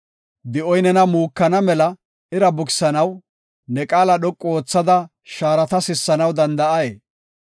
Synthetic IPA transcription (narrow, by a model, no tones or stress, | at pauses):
d̪ɪʔɔjnɛnɐmuːkːɐnɐmɛlɐ | ɪɾɐbʊkɪ̥sɐnɐw | nɛkʼaːlɐɗɔkʼːoːt͡sːɐd̪ɐ | ʃaːɾɐt̪ɐsɪsːɐnɐwd̪ɐnd̪ɐʔɐjeː